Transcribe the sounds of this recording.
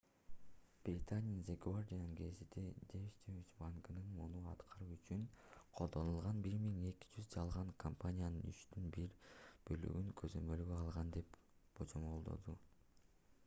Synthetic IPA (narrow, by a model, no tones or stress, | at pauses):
b̥ɾʲɪt̪anʲinzeɡuard̪ʲijannɡe̞zid̪ed̪evʲit͡ʃt̪evʲit͡ʃbɑŋɡɯnɯnmunuɑt̪qʰɑɾuːyt͡ʃyŋqʰolˠd̪o̞nulˠʁɑnbiɾmiŋe̞ki̥d͡ʒyzd͡ʒɑlˠʁɑŋkʰompanʲijanɯny̰t͡ʃt̪ynbiɾb̥ø̞ly̰ɡyŋkʰøzø̞mø̞lɡøɑlˠʁɑnd̪e̞p | b̥od͡ʒomo̞lˠd̪o̞̰d̪u